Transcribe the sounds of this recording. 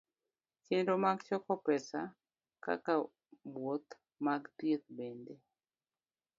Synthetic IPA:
t͡ʃɪndomaɡt͡ʃɔkɔpɛsa | ka̰ka | bwot̪ | maɡt̪jet̪̚bende

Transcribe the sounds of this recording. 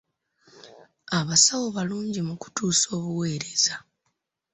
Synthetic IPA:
aβasawo̞βaluːɲɟimuku̥tuːso̞ːβuwe̞ːɾe̞za

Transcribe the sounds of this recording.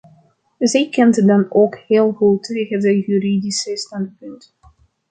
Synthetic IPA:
zɛjkɛntdɑnoːkheːlˠɣuteːχəndəjyridisɪsnandəpʏnt

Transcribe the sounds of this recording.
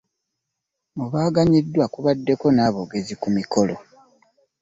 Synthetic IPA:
muβaːɡaɲidːwakuβadːe̞ko̞naːβoɡe̞zikumiko̞lo̞

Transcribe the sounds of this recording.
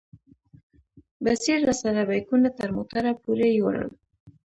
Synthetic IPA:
basiɾːasaɾabajkunat̪aɾmot̪aɾapuɾejoɾə̰l

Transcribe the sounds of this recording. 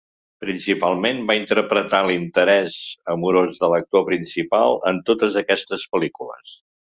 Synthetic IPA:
pɾinsipalˠmenbaint̪əɾpɾət̪alint̪əɾɛzəmuɾozðələk̚t̪opɾinsipalˠənt̪ot̪əzəkɛst̪əspəlikulə̰s

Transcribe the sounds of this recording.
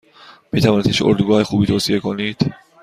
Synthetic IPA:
miːt̪ʰævɒːnit̪ʰiʃʔo̰ɾd̪uɡɒːhexuːbiːt̪ʰoːsije̞kʰo̞niːd̪̥

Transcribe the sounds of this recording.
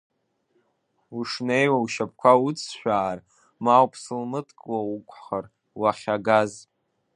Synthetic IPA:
uʂnejwawʃap̚ʰkʷʰaut͡sʰʃʷᶣaːr | mawpʰsɨlmɨtʰkʼwaukʷʼʰχar | waχʲaɡaz

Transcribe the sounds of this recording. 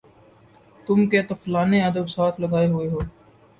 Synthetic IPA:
t̪ʊmket̪ɐflaːneɐd̪əbsaːt̪ʰlɐɡaːeɦʊeɦoː

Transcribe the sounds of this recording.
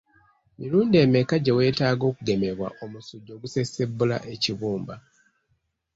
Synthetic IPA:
miɾuːnde̞ːme̞kaɟe̞we̞ːtaːɡo̞ːkuɡe̞me̞βwa̰ʔo̞musuɟːo̞ːɡuse̞se̞bːula̰ʔe̞ciβuːmba

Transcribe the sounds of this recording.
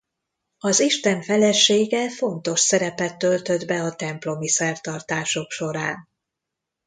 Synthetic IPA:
ɒziʃt̪ɛɱfɛlɛʃːeːɡɛfo̞nt̪o̞ʃsɛɾɛpɛt̪ːø̞lt̪ø̞d̪bɛɒt̪ɛmplo̞misɛrt̪ɒrt̪aːʃo̞kʃo̞ɾaːn

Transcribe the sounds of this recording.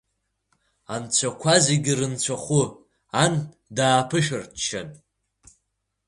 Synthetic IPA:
ant͡ɕʷʰakʷʰazeɡʲirɨnt͡ɕʷʰaχʷʊ | an | daːpʰɨʃɨrtʰt͡ʃːan

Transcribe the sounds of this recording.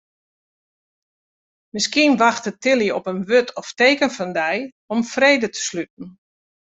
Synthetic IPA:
mɪskiənʋaxtətɪlˠjəɔpənʋøtʰɔfteːkənfɔndɛj | ɔmfreːdətʰə̥slyt̚n̩

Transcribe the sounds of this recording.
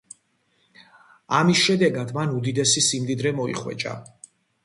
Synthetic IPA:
amisʃɛd̪ɛɡad̪manud̪id̪ɛsisimd̪id̪ɾɛmɔḭχwɛ̰t͡ʃʼa̰

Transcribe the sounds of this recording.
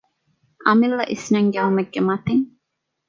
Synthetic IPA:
ʔɐmilːɐʔisnɐŋɡeɦumɐɡːemɐt̪iŋ

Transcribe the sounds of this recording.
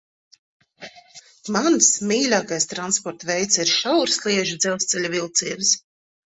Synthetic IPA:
mansmʲiːlʲaːkajst̪ɾanspɔɾt̪vɛjt̪siɾʃawɾslˠiɛʒid̪zɛlwst̪sɛlʲuvilˠt̪siːvs

